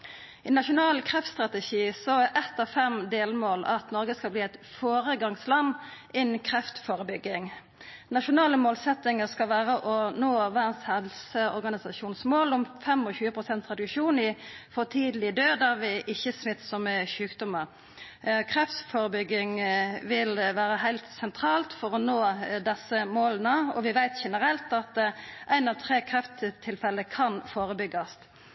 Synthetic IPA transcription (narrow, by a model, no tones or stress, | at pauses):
ɪnɑʂʊnɑːlkʰɾɛft̪st̪ʁɑt̪əʃiːsɔæɾʔɛt̪ːɑʋfɛmd̪eːlmoːlɑ̰t̪nɔɾɡəskɑlbliːɛɪt̪foːɾəɡɑŋslɑnːʔɪnn̩kʰɾɛft̪foːɾəbʏɡːɪŋ | nɑʂʊnɑːləmoːlsɛt̪nɪŋəskɑʋæːɾəʔɔnoːʋæːnshɛlsəɔ̰ɾɡɑnɪsɑʃuːnsmoːlɔmfɛmɔçʉːəpʰʁʊsɛnt̪ʰʁɛd̪ʉkʃuːnɪfɔt̪ʰiːd̪lɪəd̪øːd̪ɑʋɪʔɪçːəsmɪt̪ːsɔmʃʉːkd̪ɔmːəɾ | kʰʁɛfsfoːɾəbʏɡːɪŋʋɪlʋæːɾəhæɪlt̪sɛnt̪ʰɾɑːlt̪fɔɾɔnoːd̪ɛsəmoːlənəɔ̰ʋɪʋæɪt̪ʃɛnəɾɛlt̪ɑt̪̚ʔæɪnɑʋt̪ʰɾeːkʰɾɛft̪ət̪ʰɪlfɛləkʰɑnfoːɾəbʏɡːɑst̪